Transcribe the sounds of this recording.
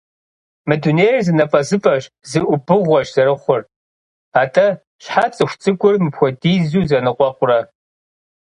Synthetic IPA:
mɨduneːrzɨnɐfʼɐzɨfʼɐɕ | zɨʔʷʊbɨʁʷɔʃzɐɾɨχʷʊr | aːtʰʼɐ | ɕħat͡sʼɨxʷt͡sʼɨɡʷʼʊrmɨpxʷɔdiːzuːzɐnɨqʷʼɔqʷʼʊrɐ

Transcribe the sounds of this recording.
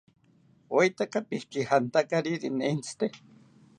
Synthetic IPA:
ojt̪akapihkihant̪akaɾiɾineint͡sʰɨ̥t̪e

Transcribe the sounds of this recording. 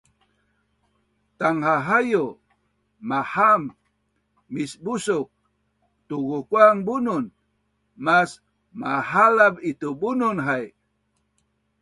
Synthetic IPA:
t̪aŋhaɦajo | maham | misbusuk̚ | t̪uɣukwaŋbunun | mas | mahalabit̪ubununɦaj

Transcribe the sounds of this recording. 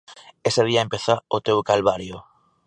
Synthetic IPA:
eseð̞iaempeθaot̪ewkalβaɾjo

